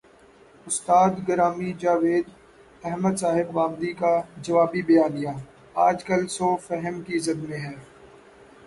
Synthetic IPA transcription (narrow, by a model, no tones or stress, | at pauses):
ʊst̪aːd̪ɡɐɾaːmid͡ʒaːʋeːd̪ | ɛɦməd̪saːɦɪbɣaːmd̪ikad͡ʒɐʋaːbibɐjaːnɪjaː | aːd͡ʒkɐlsõfɛɦəmkizɐd̪mẽɦɛː